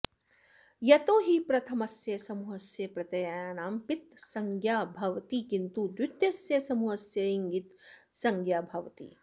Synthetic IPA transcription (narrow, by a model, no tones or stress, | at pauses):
jɐt̪oːɦipɾɐt̪ʰɐmɐsjɐsɐmuːɦɐsjɐpɾɐt̪ɐjaaːnaːmpit̪̚sɐŋɡʱjaːbʱɐʋt̪ikint̪ud̪ɪt̪jɐsjɐsɐmuɦɐsjɐiŋɡit̪sɐŋɡjaːbʱɐʋt̪ḭː